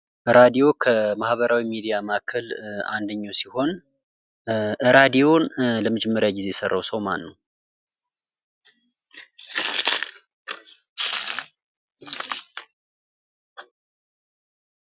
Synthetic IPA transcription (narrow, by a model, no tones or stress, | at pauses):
ʔɨɾad̪ijo̞kʰəmahβəɾawimid̪ijamakʰəla̰nd̪əɲːawsiho̞n | ʔɨɾad̪ijo̞nləməd͡ʒɛmːəɾjaɡize̞jɛsərːawsəwma̰nːəw